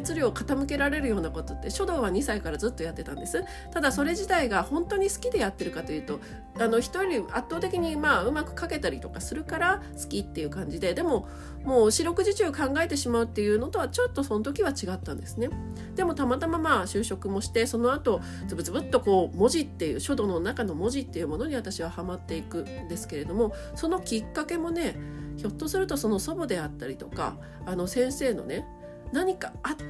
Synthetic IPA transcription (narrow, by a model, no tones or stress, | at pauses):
t͡sɨɾʲio̞kat̪amɯ̟ke̞ɾaɾe̞ɾɯ̟jo̞ːnako̞t̪o̞t̪ːe̞ɕo̞d̪o̞ːβ̞aɲ̟isaikaɾazɨt̪ːo̞jat̪ːe̞t̪ã̰nd̪e̞sɨ | t̪ad̪aso̞ɾe̞ʑit̪aiɡahõ̞nt̪o̞ɲ̟isɨ̥kʲid̪e̞jat̪ːe̞ɾɯ̟kat̪o̞jɯ̟ːt̪o̞ | ano̞çi̥t̪o̞ɾʲiat̪ːoːt̪e̞kʲiɲ̟imaːɯ̟makɯ̟̥kake̞t̪aɾʲit̪o̞kasɨɾɯ̟kaɾa | sɨ̥kʲit̪ːe̞jɯ̟ːkãɲ̟d͡ʑid̪e̞d̪e̞mo̞ | moːɕiɾo̞kɯ̟ʑit͡ɕɨːkãŋɡae̞t̪e̞ɕimaɯ̟t̪ːe̞jɯ̟ːno̞t̪o̞β̞at͡ɕo̞t̪ːo̞so̞not̪̬o̞kʲiβ̞at͡ɕiɡat̪ːãnd̪e̞sɨne̞ | d̪̥e̞mo̞t̪amat̪amamaɕɨːɕo̞kɯ̟mo̞ɕi̥t̪e̞so̞no̞at̪o̞ | zɨbɯ̟t͡sɨbɯ̟t̪ːo̞ko̞ːmo̞ʑit̪ːe̞jɯ̟ːɕo̞d̪o̞no̞nakano̞mo̞ʑit̪ːe̞jɯ̟mo̞no̞ɲ̟iβat̪aɕiβ̞ahamat̪ːe̞ikɯ̟nd̪e̞sɨ̥ke̞ɾe̞d̪o̞mo̞ | so̞no̞kʲikːake̞mo̞ne̞ço̞t̪ːo̞sɨɾɯ̟t̪o̞so̞no̞so̞bod̪e̞at̪ːaɾʲit̪o̞ka̰ː | no̞sẽ̞ɰ̃se̞ːno̞̰ne̞ | naɲ̟ikaa